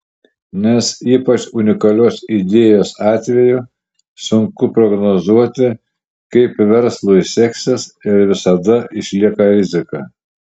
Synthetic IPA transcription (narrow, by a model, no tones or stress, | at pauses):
nʲɛsiːpɐt͡ʃʊnʲɪkɐlʲoːsid̪ʲeːjoːsɑːt̪ʲʋʲɛju | sʊŋkʊpɾɔɡnozuɔt̪ʲɪ | kɐɪpʋʲɛɾslˠuisʲɛksʲɛsɪɾʋʲɪsɐd̪ɐʔɪʃʲlʲiɛkɐɾʲɪzʲɪkɐ̰ː